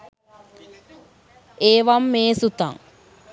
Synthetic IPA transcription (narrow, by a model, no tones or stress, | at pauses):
eːʋamːeːsut̪a̰ŋ